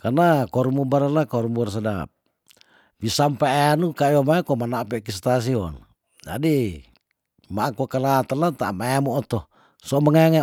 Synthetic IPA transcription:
karnakɔɾmubaɾalakɔrmurs̬ada̰p̚ | bisampaaanukaiomaɛkɔmanaʔpɛkis̬t̪as̬iɔ̰n | d͡ʒa̰di | makokalat̪alat̪a̰maemoːt̪ɔ | sɔməŋaŋa

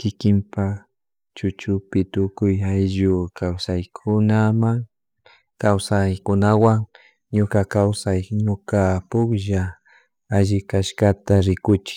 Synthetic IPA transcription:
kɪkɪmpa | t͡ʃʊt͡ʃʊpɪt̪ʊkʊjajʒʊkawsajkʰʊnamaŋ | kawsajkʊnawaŋ | ɲʊkakawsajɲʊkapʊkʒa | aʒɪkaʃkat̪aɾɪkʊt͡ʃɪ̥

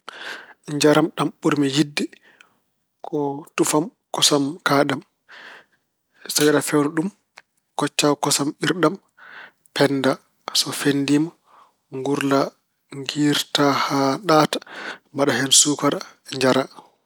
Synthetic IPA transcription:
ɲd͡ʒaɾamɗamɓuɾmijidːi | kʰɔtufam | kɔsamkaːɗam | sawiɗafɛwnɔɗum | kɔt͡ʃːawkɔsamiɾɗam | pʰɛnːda | sɔfendima | ŋɡuɾla | ŋɡiːɾtahaɗatḁmbaɗahɛnsukaɾɲd͡ʒaɾa

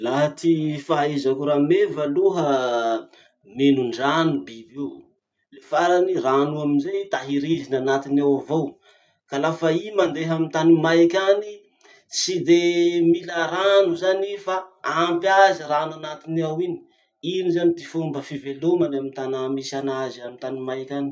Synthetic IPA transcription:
laɦət̪ifaezakuɾamevaluɦə | menuɳɖ͡ʐanubid̪ew | lefaɾaniranuaminzejt̪aɦiɾizinanat̪inawavow | kalafaimand̪eɦamit̪animajkʲani | sid̪emilaɾanuzanifaampjazəɾananat̪iniawini̥ | inizanid̪ifumbəfivelomanamint̪anamisanaziamint̪animajkʲani̥

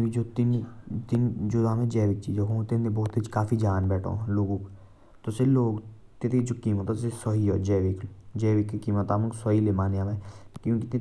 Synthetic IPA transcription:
id͡ʒoːt̪ɪnt̪ɪnd͡ʒod̪aːmɛ̃ːd͡ʒɛːʋɪt͡ʃːiːd͡ʒoːɦõːt̪enebɔːt̪it͡ʃkaːfʰiːd͡ʒaːnbɛːʈʰõ̰ːloːɡõːk | t̪oseloːɡ | t̪et̪ed͡ʒokiːmət̪asesɔɦiːo̰ːd͡ʒɛːʋɪkd͡ʒɛːʋɪkːkiːmət̪aːməksɔɦiːleːmaːnjãːmɛ̃ːkjõːkɪt̪ẽ

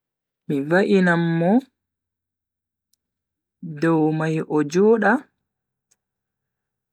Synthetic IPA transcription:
mivaʔinamːɔ | dɔwmajʔɔd͡ʒɔːɗa

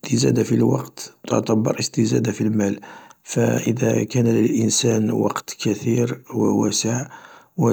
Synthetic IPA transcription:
t̪əzæ̰d̪afilwɑ̰qt̪t̪ə̰t̪ˤɑbːɑ̰ɾˤʔəst̪əzæ̰d̪afilmælfæʔəd̪ækænləlʔənsænwɑ̰qt̪kæt̪iɾwəwæsəʕ | wə

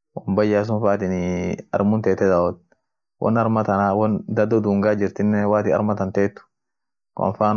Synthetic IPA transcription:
wɔmbɐjːaːs̬ʊnfaːt̪ɪnɐ̰ɾmʊnt̪eːt̪ɛd̪aɔt̪̚ | wʔɔ̰nɐɾmɐt̪ɐnawɔnd̪ɐd̪ɔd̪uːŋɡaːd͡ʒɪɾt̪ɪnːɛwaːt̪ɪɐ̰ɾmɐt̪ɐnt̪eːt̪ːʊ̥ | knfaːn

